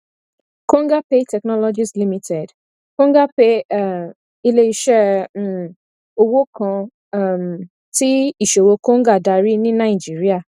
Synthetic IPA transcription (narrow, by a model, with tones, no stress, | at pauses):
kõ˦ŋ˦ɡa˦pe˦tɛ˨knɔ˦lɔ˦d͡ʒi˦sli˦mi˦tʰɛ˨d | kõ˦ŋ˦ɡa˦pe˦˨ | i˦le˦i˦ʃɛ̃˦˨ | o˦wo˦kɔ̃˨˧˨ | m˨ | ti˦i˨ʃe˨wo˧ko˦ŋ˦ɡa˦˨da˨ɾi˦nĩ˦na˨i˨d͡ʒi˨ɾi˦a˨